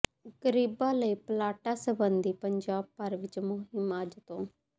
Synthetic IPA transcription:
ɡəɾiːbãːləiːplaːʈaːsəbənd̪iːpəɲd͡ʒaːb̚pəɾʋɪt͡ʃmoɦɪmaːd͡ʒt̪õː

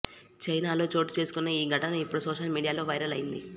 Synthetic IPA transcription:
t͡ʃɐjnaːlo̞ːt͡ʃo̞ːʈt͡ʃe̞ːsu̥kunːeiːɡʱɐʈɐnɐipːuɽusoːʃɐlmiːɽijaːlo̞ːʋɐjɾɐlɐjind̪i

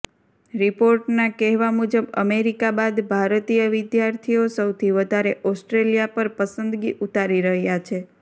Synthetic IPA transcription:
ɾipoɾʈnakɛɦʋamud͡ʒəbə̰meɾikabad̪bʱaɾt̪ijəʋɪd̪jaɾt̪ʰijosəwt̪ʰiʋəd̪ʱaɾeʔɔsʈɾelijapəɾpəsənd̪ɡiʔut̪aɾiɾəɦjat͡ʃʰe

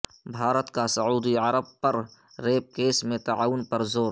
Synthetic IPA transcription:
bʱaːɾət̪kasəuːd̪iəɾəb̚pɐɾ | ɾeːp̚keːsmẽt̪aaːʊnpɐɾzoːɾ

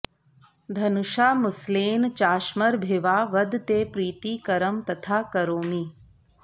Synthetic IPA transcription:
d̪ʱɐnuʃaːmʊsleːnt͡ʃaːʃmɐɾbʱɪʋaːʋɐd̪t̪eːpɾiːt̪iːkɐɾəmt̪ɐt̪ʰaːkɐɾoːmiː

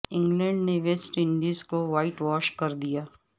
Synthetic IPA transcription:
ɪ̃ŋɡlɛ̃ɳɖneʋesʈɪ̃ɳɖizkoʋaːɪʈʋɔːʃkɐɾd̪ijaː

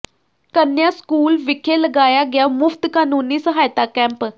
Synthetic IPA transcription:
kənjaskuːlʋɪkʰeləɡaːjaɡjamʊfʰt̪kaːnuːniːsəɦaːjt̪akɛ̃mp

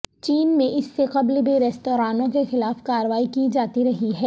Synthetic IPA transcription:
t͡ʃiːnmẽʔɪsːeqɐblbeɾɛːst̪oːɾaːnõkexɪlaːfkaːɾəʋaːikid͡ʒaːt̪iɾɐɦiɦɛː

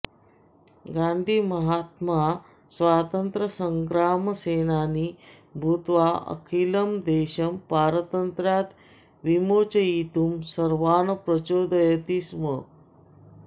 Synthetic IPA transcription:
ɡand̪ʱiːməɦat̪ma | sʋat̪ənt̪ɾəsəŋɡɾaməsenaniː | bʱut̪ʋaə̰kʰiːləmd̪eɕəmpaɾt̪ənt̪ɾjat̪ | ʋimot͡ɕəit̪uːmsəɾʋanəpɾət͡ɕod̪əjət̪iːsmə

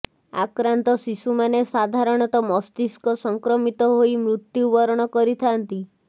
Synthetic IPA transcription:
a̰kɾant̪ɔsisumanesad̪ʱaɾɔɽ̃ɔt̪ɔmɔst̪iskɔsɔŋkɾɔmit̪ɔɦoimɾut̪jubɔɾɔɽ̃ɔkɔɾit̪ʰant̪i

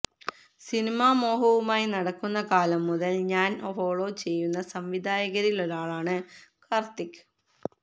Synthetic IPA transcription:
sinimaːmo̞ːɦɐʋumaːjinɐɽɐkːunːɐkaːlɐmːuðɐlɲaːnofoːɭo̞ːt͡ɕe̞jːunːɐsɐmʋid̪ʱaːjɐɣɐɾiloɾaːɭaːɳɨkɐrt̪ikː

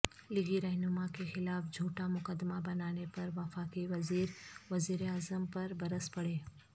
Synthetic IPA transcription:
lɪɡiɾɛɦnʊmakexɪlaːfd͡ʒʱuːʈamʊkəd̪mabɐnaːnepɐɾʋɐfaːkiʋɐziːɾʋɐziːɾeaːzəmpɐɾbɐɾəspɐɽeː

